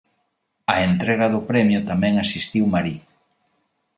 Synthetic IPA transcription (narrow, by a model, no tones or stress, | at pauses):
ɐent̪ɾɛɣɐðʊpɾɛmjʊt̪amɛ̃ŋasist̪iwmaɾi